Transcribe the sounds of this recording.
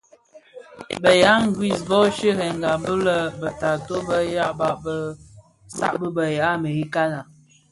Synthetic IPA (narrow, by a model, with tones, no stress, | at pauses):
bə˨ja˨˦ŋ̩˦ɡi˦˨sbɔ˦ʃə˦hɛ˨ŋ˨ɡa˨bə˦lə˦bə˨ta˨to˦bə˦ja˦ʔba˦˨ʔbə˦ | sa̰˦˨ʔbə˦bə˨ja˨˦mə˨i˦ka˦na˨